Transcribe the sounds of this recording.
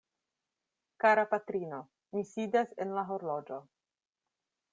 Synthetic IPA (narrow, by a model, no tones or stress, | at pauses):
kaɾapatɾino̞ | misidasḛnlaɦo̞ɾlo̞d͡ʒo̞